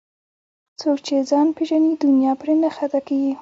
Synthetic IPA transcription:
t͡sok̚t͡ʃezɑnpeʒanid̪ʊnjɑpɾenaxat̪akaɡi

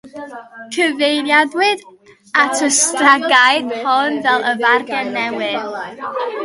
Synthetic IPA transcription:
tʰɨvejðjadwɨð | atʰəstraɡajðhɔnvɛlˠəvarɡɛnːɛwɨð

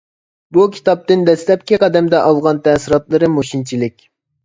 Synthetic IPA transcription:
bukʲʰi̥t̪ɑp̚t̪ɨnd̪ɛslɛp̚kʲiqʰɑd̪ɛmd̪ɛʔɑlˠʁɑnt̪ʰɛsiɾɑt̪lˠɨɾɨmoʃint͡ʃʰilɪkʲ

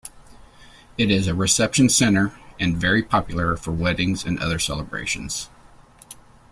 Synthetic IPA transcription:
ɨɾɪzɨɹɨsɛpʃɨ̃n̩sɛ̃ɾ̃ə˞ʔɨ̃nvɛɹipʰɑpjl̩ˠə˞fə˞wɛɾɪ̃ŋzɨ̰̃nʌ̰ðə˞sɛlˠəbɹḛɪʃɨ̃n̩z̥

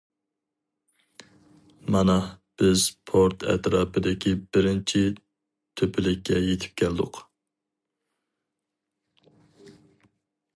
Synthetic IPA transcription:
mɑnɑb̥ɪz̥pʰoɾt̪ʰɛ̰t̪ɾɑːpʰɨd̪ɪkʲʰibɪɾɪnt͡ʃʰi | t̪ʰøpʰɪlɪkʲːɛjet̪ʰɪ̥p̚kʲʰæld̪ʊq

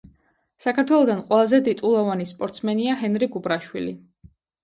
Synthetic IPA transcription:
sakʰaɾt̪ʰwɛlˠɔd̪anqʼwɛlˠazɛd̪it̪ʼulˠɔvanispʼɔɾt̪smɛniaɦɛnɾiɡubɾaʃwḭlḭ

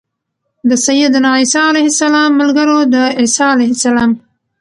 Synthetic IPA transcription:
d̪əsajəd̪nɑisɑalajhɪsalɑmːʊlɡəɾod̪əɪsɑalajhɪsalɑm

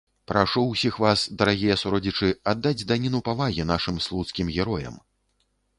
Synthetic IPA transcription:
pɾaʂuwsʲixvasd̪ɐɾaɣʲijɐsuɾɔd͡zʲit͡ʂɨad̪ːad͡zʲd̪anʲinupavaɣʲinaʂɨmslˠut̪skʲimɣʲɛɾɔjɐ̰m

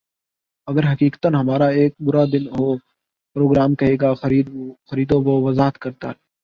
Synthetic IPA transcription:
əɡəɾɦəkiːkə̥t̪ənɦəmaːɾaːeːk̚bʊɾaːd̪ɪnɦoː | pɾoːɡɾaːmkəɦeːɡaːxəiːxəɾiːd̪õːboːʋəzaːɦət̪kəɾt̪a̰ːɾɛː

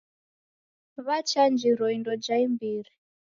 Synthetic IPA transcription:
βat͡ʃand͡ʒiɾɔindɔd͡ʒaimbiːɾi

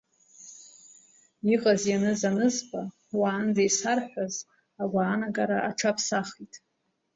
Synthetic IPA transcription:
iqʼazjanɨzanɨzbʼa | waːnd͡zajsarħʷaz | aɡʷaːnaɡaɾaʔaʈ͡ʂʰapʰsaχitʼ

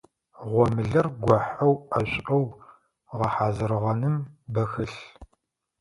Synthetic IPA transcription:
ʁʷɔmɨɮɐrɡʷɔħɐwɐɕʷʼɐw | ʁɐħaːzɨɾɨʁɐnɨmbɐxɨɬ

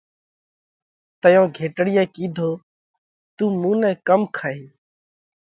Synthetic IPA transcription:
t̪əjõːɡʱeːʈəɽɪjɛ̃ːkiːd̪ʱoː | t̪uːmũːnɛ̃ːkəmkʰaːɦiː

